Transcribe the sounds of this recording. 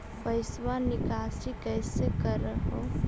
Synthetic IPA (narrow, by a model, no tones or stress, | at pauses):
pɐɪswanɪkaːsikɛːsekəɾəɦoː